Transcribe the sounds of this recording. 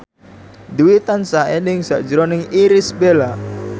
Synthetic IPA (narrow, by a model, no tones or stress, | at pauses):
d̪uwit̪ansaenɪŋsaʔd͡ʒəɾonɪŋiɾɪsbela